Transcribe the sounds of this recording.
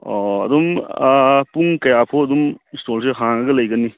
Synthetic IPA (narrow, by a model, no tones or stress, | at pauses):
ɔɐ̰d̪um | puŋkɐjapʰoɐd̪umstolsʰeɦaŋɐɡɐlɐjɡɐni